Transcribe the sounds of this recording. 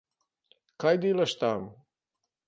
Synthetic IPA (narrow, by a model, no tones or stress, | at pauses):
kajd̪ilaʃt̪aːm